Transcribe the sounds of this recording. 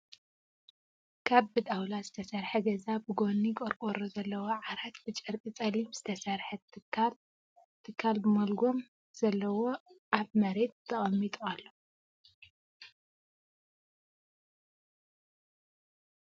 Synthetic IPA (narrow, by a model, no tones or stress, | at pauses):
kʰaβbɨd̪awlazɨt̪ʰɐsɐɾħɐɡɐzabɨɡo̞nːikʼɐɾkʼoɾozɐlːɐwoʕaɾat̪bɨt͡ʃʼɨɾkʼit͡sʼɐlimz̥ɨt̪ʰɐsɐɾħɐal | t̪ʰɨkʰːalbɨmɐlɡo̞m | z̥ɐlːɐwo̞ʔaβmɐɾe̞t̪̚ːt̪ʰɐχʼɐmːit̪ʼualːo